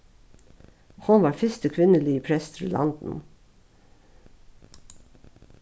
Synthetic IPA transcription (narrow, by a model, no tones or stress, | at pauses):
hʊnʋɑːɾfʏst̪əkʰʋɪnəliːpʰɾɛst̪ʰɪllʔɑ̰nd̪n̩